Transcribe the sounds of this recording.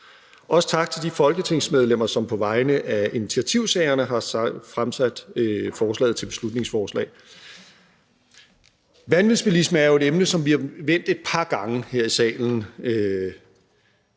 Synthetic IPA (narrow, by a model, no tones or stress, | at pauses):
ʔɒ̽sə̥t͡sʰɑ̈ɡ̥̚t͡sʰe̝ld̥ifɒ̽lɡ̥ət͡sʰe̝ŋsmeð̞ˠlem̰ɐsɒ̽mpʰɒ̽ʋɑ̈ɪnəʔæinit͡sʰiæt͡sʰiʊsɛɪɐnəɦɑ̈sfʁamsæd̥fɒːs̬lɛ̰ːð̩ˠt͡sʰe̝b̥e̝̥slud̥ne̝ŋsfɒːslɛ̰ːɪ | ʋænʋiðˠsb̥elisməæɐo̝e̝ɾemnəsɒ̽mʋiɑ̈ʋen̰d̥e̝d̥̚pʰɑ̈ɡ̥ɑ̈ŋəheɐ̰isɛ̰ːln̩ø